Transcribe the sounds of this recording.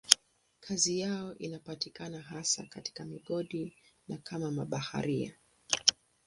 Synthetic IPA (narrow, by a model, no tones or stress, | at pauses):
kʰazijaɔʔinapatikanaɦasa̰kati̥kamiɠɔɗi | nakʰamamaɓaha̰ɾia̰